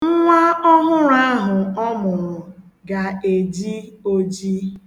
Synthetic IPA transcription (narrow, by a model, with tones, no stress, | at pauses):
ŋ̩˦ŋʷa˦ɔ˦ɦʊ˦ɾa˦ɦʊ˨ɔ˦mʊ˨ɾʊ˨ | ɡa˨e˨d͡ʒi˦o˦d͡ʒi˦